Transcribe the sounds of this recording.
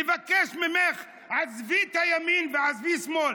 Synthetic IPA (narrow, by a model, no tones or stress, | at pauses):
evakɛʃmɪmɛχ | azvit̪ajaminveazvismɔl